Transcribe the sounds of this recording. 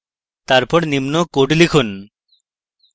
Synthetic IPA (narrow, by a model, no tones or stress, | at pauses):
t̪aɾpɔɾnimnokoʈlikʰun